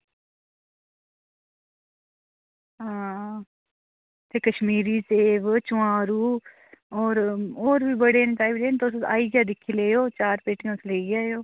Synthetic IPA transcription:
ɦãː | t̪eːkəʃmiːɾiːseːʋt͡ʃʊãːɾuː | ɔːɾoːɾbiːbəɽeːnt̪aːibleːnt̪oʊsa̰ːiːɡjaːd̪ɪkʰːiːleːjoːt͡ʃaːɾpeːʈɪjãːsleːiɡaːjoː

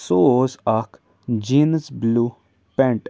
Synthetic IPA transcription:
soːsak | d͡ʒiːnsbluː | pɛ̃ɳʈ

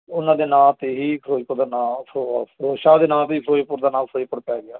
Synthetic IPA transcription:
ʊnãːd̪eːnãːt̪eːɦiːpʰɾoːd͡ʒpʊɾd̪aːnaːoɾoːʃaːd̪eːnãːt̪eiːpʰɾoːipʊɾd̪aːnãːpʰɾoːiːpəɽpɛːɡɪaː

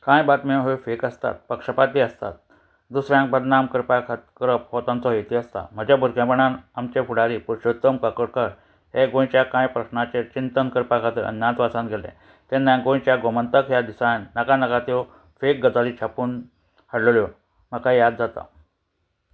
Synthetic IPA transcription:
kãjbat̪meɦofekəst̪a̰t̪̚pəkʂəpat̪iəst̪a̰t̪̚ | d̪usɾjãŋk̚bəd̪namkəɾpakʰat̪kəɾəpɦot̪ãnt͡sɔɦet̪iəst̪a̰m̤əd͡ʑjabʱuɾkjãpəɳanamt͡ɕefuɽaɾiːpuɾɕot̪ːəmkəkəɽkəɽ | ɦeɡõjt͡ɕjakãjpɾəɕnat͡ɕet͡ɕint̪ənkəɾpakʰat̪əə̰nːãt̪ʋasãnɡʱelḛ̃ | t̪enːãɡõjt͡ɕjaɡomənt̪əkjad̪isajnnəkanəkat̪jɔ | fek̚ɡəd͡zalit͡ɕʰapuːn | həɽlɭjɔ | m̤əkajad̪d͡zat̪a̰

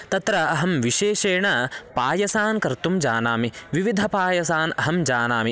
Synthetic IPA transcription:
t̪ɐt̪ɾɐɐɦɐmʋiʃeːʃeːɳɐpaːjɐsaːnkɐɾt̪umd͡ʒaːnaːmiʋiʋid̪ʱɐpaːjɐsaːnɐɦɐmd͡ʒaːnaːmi

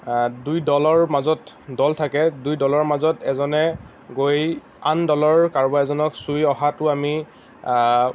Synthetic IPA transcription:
dujdɔlɔɹmazɔtdɔltʰakɛdujdɔlɔɹmazɔtɛzɔnɛ | ɡoj | andɔlɔɹkaɹbaɛzɔnɔksujɔɦatʊami

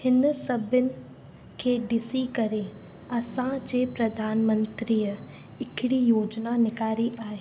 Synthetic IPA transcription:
hɪnsɐbʱɪnɪ̆ | kʰeːɖɪsikɐɾe | ɐsãd͡ʑeːpɾɐd̪ʱaːnmə̃nt̪ɾiːjə | ɪkʰɪɽijoːd͡ʑnanɪkaːɾiʔaːɦeː

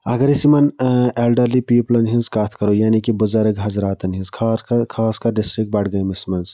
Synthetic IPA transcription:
ɐɡɐɾisimɐneːlɖəɾlipiːplɐnɦĩnzkaːt̪ʰkɐɾojaːnikibʊzaɾəɡɦɐzɾaːt̪ɐnɦĩnskʰaːkʰaːskɐɖɪsʈɾɪk̚ʈ̚bɐʈɡɐjmismɐnz

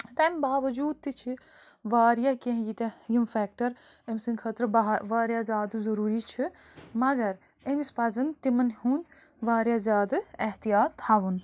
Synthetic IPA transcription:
t̪ɐmʲbaːʋɐd͡ʒuːd̪̚t̪it͡ʃʰi | ʋaːɾijakẽɦjit̪ɐjimfɛːk̚ʈɐɾ | emsɨŋkʰɐt̪ɾɐʋaːɾjazʲjaːd̪ɨzɐɾuːɾit͡ʃʰi | mɐɡɐɾ | emispɐzɐnt̪imɐnhuːnʲ | ʋaːɾjazʲjaːd̪ɨeɦt̪ijaːt̪hɐʋun

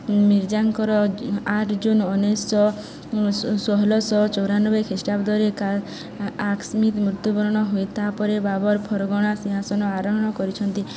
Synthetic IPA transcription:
miɾd͡ʒaŋkɔɾɔaʈʰd͡ʒunɔnesɔ | sɔɦɔlɔsɔt͡ʃɔwɾanɔbekʰesʈapd̪ʱɔɾeka | aksmit̪mɾut̪ubɔɾɔɽ̃ɔɦojt̪ʰapɔɾebabɔɾpʰɔɾɔɡɔɽ̃asiɦasɔnɔaɾɔɦɔɽ̃ɔkɔɾit͡ʃʰɔnt̪i

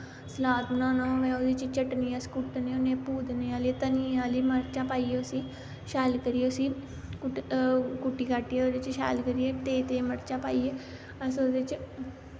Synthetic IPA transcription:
slaːd̪nãːnãːʋɛːoːd̪et͡ʃt͡ʃəʈniːãskʊʈneːonẽːpuːd̪neːaːliːt̪əniːãːliːməɾt͡ʃãːpaːiːeʊsiː | ʃaːlkəɾieːʊsiː | k | kʊʈːiːkaːʈieːoːd̪et͡ʃʃa̰ːlkəɾieːt̪eːt̪eːməɾt͡ʃaːpaːiːeː | əsoːd̪et͡ʃ

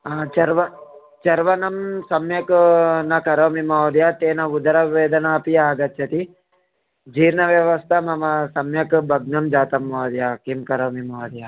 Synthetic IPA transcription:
at͡ʃɐɾʋɐ | t͡ʃɐɾʋɐnɐmsɐmjɐknɐkɐɾɐmimaʋd̪jat̪eːnɐud̪ɐɾɐʋeːd̪ɐnaːpijaːɡɐt̪t͡ʃʰɐt̪i | d͡ʒiːɾnɐʋjɐʋɐst̪ʰamɐmɐsɐmjɐkbʱɐɡnɐmd͡ʒaːt̪ɐmːɐːd̪jaːkimkɐɾɐmimaːd̪ja

